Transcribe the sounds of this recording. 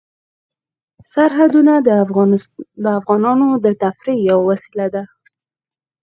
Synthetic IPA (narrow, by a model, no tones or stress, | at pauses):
saɾɦad̪unad̪ə | d̪əafɣɑnɑnod̪ət̪afɾijawawasilad̪a